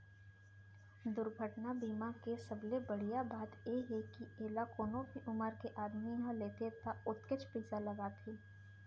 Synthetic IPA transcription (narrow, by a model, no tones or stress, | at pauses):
d̪ʊɾɡʱəʈnabiːmakesɐblebəɽ̤ijabaːt̪jeɦekieːlakoːnõbʱiʔʊməɾkeʔaːd̪miɦãleːt̪et̪aʊt̪kɪt͡ʃʰpiːzalɐbaːt̪ʰeː